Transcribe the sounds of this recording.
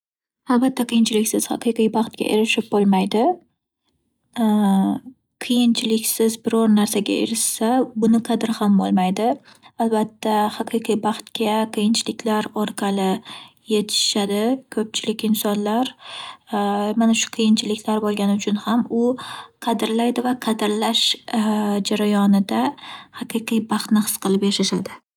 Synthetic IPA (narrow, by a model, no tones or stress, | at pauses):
albat̪ʰːaqʰɨjɪnt͡ʃʰɪlɪkʲsɪz̥hɑ̰qʰɨjqijbɑχt̪̚ɡʲa̰ʔeɾɪʃɪp̚bolˠmajd̪ɪ | qʰɨjɪnt͡ʃʰɪlɪkʲsɪzbɪɾɒɾnaɾsaɡʲa̰ḛɾɪʃsabʊnɪqʰɑd̪ɪɾhambo̰lˠmajd̪ɪalbat̪ʰːahɑqʰɨjqʰijbɑχt̪kʲaqʰɨjɪnt͡ʃʰɪlɪkʲlaɾɒɾqʰɑlɪjet̪ʰɪ̥ʃad̪ɪkʰɵp̚t͡ʃʰɪlɪkʲɪnsɒnlaɾ | manaʃʊ̥qʰɨjɪnt͡ʃʰɪlɪkʲlaɾbolˠɡʲanɪʊt͡ʃʰʊnhamʊqʰɑd̪ɪɾlajd̪ɪvaqʰɑd̪ɪɾlaʃ | d͡ʒaɾajɒnɪd̪ahɑqʰɨqijbɑχt̪nɪhɨ̥sqɨlˠɪpjaʃaʃad̪ɪ